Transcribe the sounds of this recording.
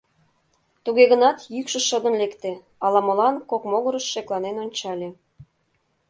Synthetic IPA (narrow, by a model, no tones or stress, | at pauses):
t̪uɣeɣə̆nɑt̪jykʃə̆ʃəd̪ə̆nlekt̪e | ɑlɑmolɑnkokmoɣəɾə̆ʃːeklɑnenonʲt͡ɕɑlʲe